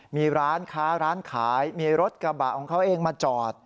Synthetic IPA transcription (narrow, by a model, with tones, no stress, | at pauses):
miː˧ɾaː˦˥nkʰaː˦˥ɾaː˦˥nkʰaː˩˦jmiː˧ɾo˦˥t̪̚kɾa˧ba˨˩ʔkʰɔː˩˦ŋkʰa˦˥wʔeː˧ŋmaː˧t͡ɕɔː˨˩t̪̚